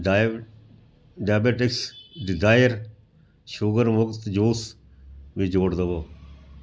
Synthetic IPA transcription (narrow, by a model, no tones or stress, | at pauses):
ɖaːbeːʈɪksɖɪzaːjəɾ | ʃuɡəɾmʊkt̪d͡ʒuːs | ʋĩːd͡ʒoːɽd̪əʋoː